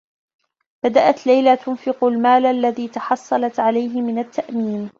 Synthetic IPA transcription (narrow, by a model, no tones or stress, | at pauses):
bad̪aʔat̪lajlat̪ʊnfɪqʊlmaːlʔalːaðiːt̪ɑħɑsˤːɑlɑt̪ʕalajɦɪmɪnat̪ːaʔmiːm